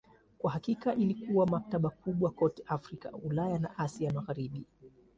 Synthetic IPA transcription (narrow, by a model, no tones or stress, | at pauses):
kwahakikaʔilikuwamak̚taɓakuɓwakɔtɛ̥ʔafɾika̰ulajana̰ʔasiamaɣaɾiɓi